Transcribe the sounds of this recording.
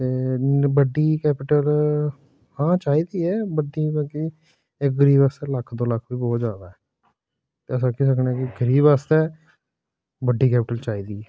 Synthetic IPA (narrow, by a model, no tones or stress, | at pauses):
t̪eːbəɖiːkɛːpɪʈəl | hãːt͡ʃaːiːd̪iːɛːbəɖiːbɛːkiː | ɪk̚ɡəɾiːbaːst̪eːləkʰːd̪oːləkʰʋiːbɔːt̪d͡ʒjaːd̪aːɛː | t̪eːəsãːkiːs̬əknɛːkɪɡəɾiːbaːst̪ɛː | bəɖiːkɛːpɪʈəlt͡ʃaːiːd̪iːɛː